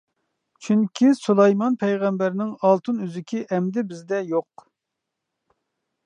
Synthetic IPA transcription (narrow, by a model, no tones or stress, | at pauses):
t͡ʃʰyŋkʲʰisulˠɑjmɑnpʰɛjʁɛmbæɾnɪŋɑlˠt̪ʰɨnyzɪkʲʰiʔɛmd̪ɪbɪzd̪ɛjoq